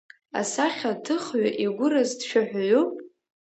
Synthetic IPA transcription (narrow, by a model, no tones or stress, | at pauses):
a̰saχʲatʰɨχɥaʔiɡʷʊrazdʃʷᶣaħʷᶣʕʷopʼ